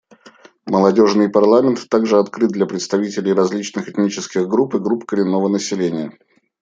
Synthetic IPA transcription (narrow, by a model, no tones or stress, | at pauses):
məlˠɐdʲo̞ʐnɨjpɐrlˠamʲɪnt̪ːaɡʐɨɐt̪kɾɨt̪d̪lʲɐpɾʲɪt̪st̪ɐvʲitʲɪlʲɪjrɐzʲlʲit͡ɕnɨxɨt̪nʲit͡ɕɪskʲɪɣɡɾupɨɡɾupkəɾʲɪnːo̞vənəsʲɪlʲenʲɪjə